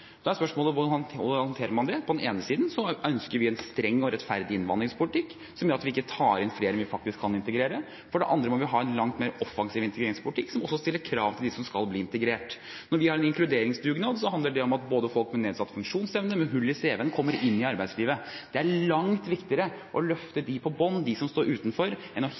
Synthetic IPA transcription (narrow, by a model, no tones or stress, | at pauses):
d̪ɛæɾspœʂmoːləʋʊʊhɑnt̪ʰeːɾəɾmɑnd̪ɛpʰɔd̪ɛneːnəsiːd̪nsɔʔœnskəɾʋɪɛnst̪ɾɛŋːɔɾɛt̪fæɾd̪ɪɪnʋɑ̰nd̪ɾɪŋspʰʊlɪt̪ʰɪkː | sɔmjœɾɑt̪ʋɪɪkːət̪ʰɑːɾɪnfleːɾɛnʋɪfɑk̚t̪ɪskʰːɑnɪnt̪əɡɾeːɾə | fɔɖɛʔɑnd̪ɾəmɔʋɪɦɑːɛnlɑŋt̪meːɾɔfɑŋsiːʋɪnt̪əɡɾeːɾɪŋspʰʊlɪt̪ɪkːsɔmɔsːɔst̪ɪlːəɾkʰɾɑːʋt̪ʰɪld̪ɛsɔmskɑlbliːɪnt̪ɛɡɾeːʈ | nɔɾʋɪhɑɾɛnɪŋklʉd̪eːɾɪŋsd̪ʉɡnɑːd̪sɔɦɑnd̪əɖɛɔmɑt̪̚boːd̪əfɔlkmɛneːd̪sɑt̪ːfʉŋkʂuːnsɛʋnəmɛɦʉlːɪseːʋɛnkʰɔmːəɾɪnːɪɑɾbæɪd̪sliːʋəd̪̥ɛæɭɑŋt̪ʋɪkt̪ɪəɾə | ʔɔlœft̪əd̪ɪpʰɔbɔnːd̪ɪsɔmst̪oːɾʉːt̪nfɔɾ | ɛnɔ